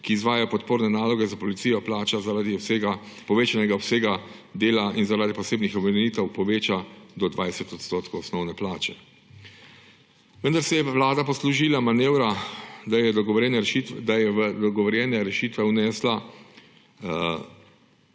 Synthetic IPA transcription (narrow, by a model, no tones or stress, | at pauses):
kiːzʋaːjajpɔt̪poːɾnɛnaːlɔɡɛzapɔlit̪sijɔplaːt͡ʃazaɾad̪iɔseɡa | pɔʋeːt͡ʃanɛɡaɔpseːɡa | d̪eːlainzaɾaːd̪ipɔseːbnixɔbɾɛmɛniːt̪ɛwpɔʋeːt͡ʃad̪ɔd̪ʋaːjsɛt̪ɔt̪st̪oːt̪kɔwɔsnɔwnɛplaːt͡ʃɛ | ʋənd̪aɾsɛjɛʋlaːd̪apɔsluʒilamaneːwɾad̪ajɛd̪ɔɡɔʋɾɛnɛid̪ajɛʋd̪ɔɡɔʋɔɾjɛnɛɾɛʃiːt̪ʋɛwnɛːsla